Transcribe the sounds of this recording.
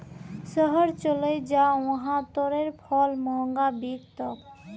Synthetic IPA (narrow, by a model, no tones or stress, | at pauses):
ʃɔɦoɾt͡ɕolejd͡ʑaõɦat̪oɾeɾpʰɔlmɔŋɡabikt̪ɔk